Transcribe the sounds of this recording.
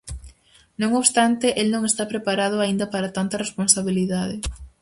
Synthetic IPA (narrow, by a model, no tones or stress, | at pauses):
nõŋoβst̪ant̪eʔelnõŋest̪apɾepaɾaðʊaind̪ɐpaɾat̪ant̪ɐresponsaβiliðaðɪ